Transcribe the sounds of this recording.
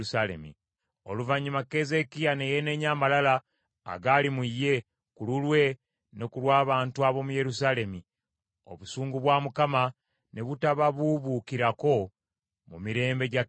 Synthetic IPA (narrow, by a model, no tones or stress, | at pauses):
usalḛmḭ | o̞̰luvaɲːimake̞ze̞kijane̞jene̞ɲamalala̰ː | ɡalimuijːe̞ | kululwe̞ | ne̞kulwaːβaːntuaβo̞muje̞ɾusaːle̞mi | o̞̰βusuːŋɡuβwaːmukama | ne̞βutaβaβuβukiɾako̞ | mumiɾe̞ːmbe̞ɟa